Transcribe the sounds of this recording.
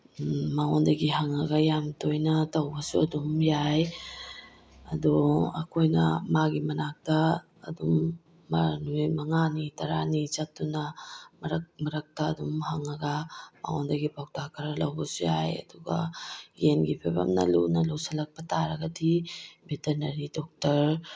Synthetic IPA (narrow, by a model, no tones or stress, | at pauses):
maŋondɐɡiɦaŋɐɡɐjamtojnɐtɐwbɐsuɐdumjaj | ɐduɐ̰kʰojnɐmaɡimɐnak̚tɐː | dumː | ɐnujmɐŋanitɐɾanit͡ʃɐtːunɐmɐɾɐkmɐɾɐk̚tɐːdumhaŋɐɡɐma̰ŋondɐɡipawtakʰɐɾɐlɐwbɐsuja̰jɐ̰duɡɐ̰jenɡipʰebɐ̰mnɐ̰lṵnɐlusɐlɐk̚pɐtʰaɾɐɡɐdibiteɾnɐɾidɔk̚tɐɾ